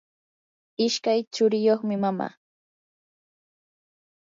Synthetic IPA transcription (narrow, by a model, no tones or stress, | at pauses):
ɪʃkajt͡ʃʊɾɪjoχmɪmama̰ː